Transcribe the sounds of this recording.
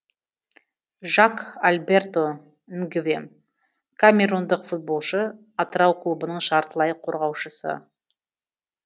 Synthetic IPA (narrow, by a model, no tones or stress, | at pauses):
ʒakalʲbe̞rt̪o̞ | ɪŋɡɪvḛm | kʰamʲe̞ɾund̪əqfut̪̚bo̞lˠʃə | ɑt̪əɾɑwqʰlˠubənəɴʃɑɾt̪əlˠɑjqʰo̞ɾʁɑwʃəsə̰